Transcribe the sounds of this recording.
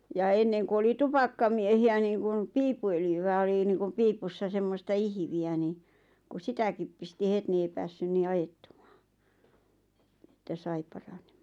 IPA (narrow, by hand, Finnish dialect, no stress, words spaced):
jɑ enːeŋku oli tupɑkːɑmiehiæ niːŋkun piːpːuøljyʋæ oli niːŋkum piːpusːɑ semːostɑ ihĭʋiæ ni kus sitækip pisti het ni ei pæːsːyn niː ɑjetːum̥ɑ̥ː etːæ sɑi pɑrɑn̥e̥m̥ɑ̥ːn̥